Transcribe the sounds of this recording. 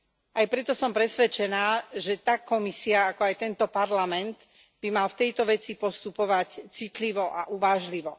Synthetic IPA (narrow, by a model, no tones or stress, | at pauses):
ajpɾɛt̪ɔsɔmpɾɛsʋɛt͡ʃɛnaːʒɛt̪akːɔmisiaakɔajt̪ɛnt̪ɔpaɾlamɛnd̪ | b̥imalft̪ɛjt̪ɔʋɛt͡sipɔst̪upɔʋact͡sit̪liʋɔʔa̰ʔuʋaːʒliʋɔ